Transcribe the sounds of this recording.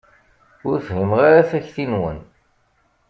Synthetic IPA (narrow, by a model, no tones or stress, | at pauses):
ʊɾθɦimʁaɾaθæçθinwə̰n